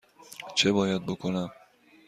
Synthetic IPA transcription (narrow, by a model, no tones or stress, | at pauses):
t͡ʃʰebɒːjæd̪̚bokʰonæm